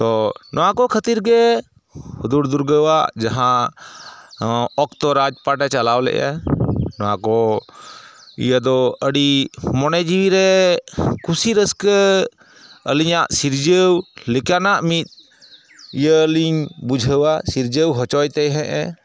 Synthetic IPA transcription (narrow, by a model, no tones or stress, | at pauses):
t̪ɔnʔɔwakɔkʰət̪iɾɡɛ | hud̪uɾd̪uɾɡəwad͡ʒaɦã | ɔkt̪ɔɾad͡ʒpaʈɛt͡ʃalawlɛ̰ʔa̰nɔwãkɔ | ḭjad̪ɔəɽimɔnɛd͡ʒiwiɾɛ | kʰusiɾəskə | ə̰liɲaʔsiɾd͡ʒəwlikanaʔmit̪̚ˀ | ijəliɲbud͡ʒʱəwasiɾd͡ʒəwɦɔt͡ʃɔjt̪ɛɦɛ̃ʔɛ̃